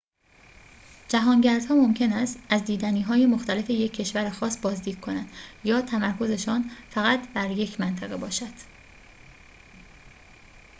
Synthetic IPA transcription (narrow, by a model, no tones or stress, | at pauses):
d͡ʒæɦɒːŋɟæɾd̪hɒːmo̞mcʰe̞næst̪æzd̪iːd̪æniːɦɒːjemo̞xt̪æle̞fe̞je̞cʰːe̞ʃvæɾexɒːsbɒːzd̪iːd̪̥̚kʰo̞nænd̪̥jɒːt̪ʰæmæɾkʰo̞ze̞ʃɒːnfæɣæt̪ʰb̥æɾje̞cʰmænt̪ʰæɣe̞bɒːʃæd̪̥